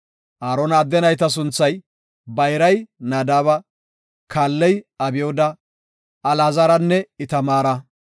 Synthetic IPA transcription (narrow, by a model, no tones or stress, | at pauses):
ʔaːɾɔnad̪ːɛnɐjt̪ɐs̬ʊnt͡sːɐj | bɐjɾɐjnaːd̪aːβɐ | kʰaːlːɛjɐbɪjoːd̪ɐ | ɐlaːzɐɾɐnːɛɪt̪ɐmaːɾɐ